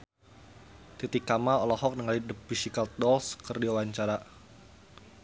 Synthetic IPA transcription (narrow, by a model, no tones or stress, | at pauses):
t̪it̪ikamaɔlɔhɔk̚nəŋalidəp̚bisikalt̪̚dɔlskərdiwawaɲt͡ʃaɾa